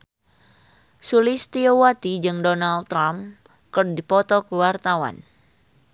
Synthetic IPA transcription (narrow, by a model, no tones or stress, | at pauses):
sulɪst̪iowat̪id͡ʒɨŋdɔnalt̪ːɾam | kɨrdipɔt̪ɔkuwart̪awa̰n